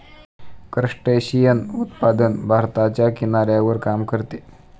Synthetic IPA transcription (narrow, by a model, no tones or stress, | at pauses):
kɾəʂʈəɕijənut̪pad̪ənbʱaɾt̪at͡ɕjakinaɾjaʋəɾkamkəɾt̪e